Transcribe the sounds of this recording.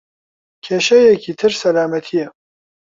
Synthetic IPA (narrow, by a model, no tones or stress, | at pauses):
kʲʰeːʃɐjɛkʰiːt̪ʰɨɾsɐlaːmɐt̪ʰijɛ